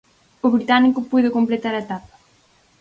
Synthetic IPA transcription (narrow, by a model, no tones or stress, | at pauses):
ʊβɾit̪anikʊpujðɪkomplet̪aɾɐet̪apḁ